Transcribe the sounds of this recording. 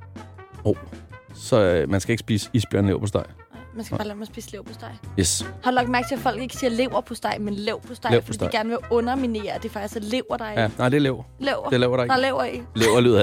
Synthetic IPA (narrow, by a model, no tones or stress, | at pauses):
oʊsɒ̽ømænsɡ̥æe̝ɡ̥əsb̥iːsə̥isb̥jø̰ɐ̰nlḛʊpʰɒsd̥ɑ̈ɪ̰ɪmænsɡæbɑ̈ːlɛɐmæɐsb̥ḭːsleʊ̰pʰɒsd̥ɑ̈ɪ̰jeshɑlɒ̽ɡ̥̚mæɐɡ̥̚t͡sʰe̝æfɒ̽l̰ɡ̥e̝ɡ̥siːɐle̝ʊ̰ɐpʰɒ̽sd̥ɑ̈ɪmenleʊpʰɒsd̥ɑ̈lefɒ̥dḭddɪɡ̥æɐnəʋe̝ɔ̽nɐmine̝̰ːɐd̥efɑ̈ɡ̥̚d̥isæle̝ʊɐɾ̥ɑ̈ɪænɑɪ̰d̥eleʊ̰ | lɛʊɐd̥eleʊ̰ɐɾɑd̥ɑlɛʊ̰ɐileʊɐly̰ɐ